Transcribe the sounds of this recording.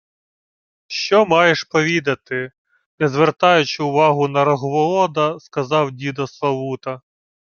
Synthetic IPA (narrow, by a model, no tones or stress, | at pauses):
ʃt͡ʃɔmɑjeʃpɔʋʲid̪ɐt̪ɪ | nɛzʋert̪ɑjʊt͡ʃɪʊʋɑɦʊnɐɾɔɦʋɔɔd̪ɐskɐzɑwdʲid̪ɔslˠɐʋut̪ɐ